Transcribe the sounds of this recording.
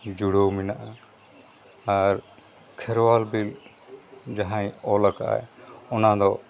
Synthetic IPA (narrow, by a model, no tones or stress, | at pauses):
d͡ʒuɽominaʔa | aɾ | kʰɛɾwalbil | d͡ʒaɦãĩɔlakaa̰ɛɔnad̪ɔ